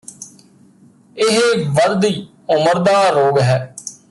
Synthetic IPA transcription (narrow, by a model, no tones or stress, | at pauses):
ɪɦʋəɾd̪iː | ʊməɾd̪aːɾoːɡɦɛː